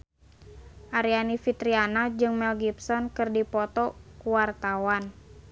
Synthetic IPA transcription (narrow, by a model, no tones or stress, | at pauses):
ʔaɾianifit̪ɾianad͡ʒɨŋmɛlɡipsɔnkɨrdipɔt̪ɔkuwart̪awan